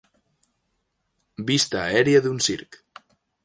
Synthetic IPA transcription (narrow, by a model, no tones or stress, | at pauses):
bist̪aːɛɾiəðunsiɾk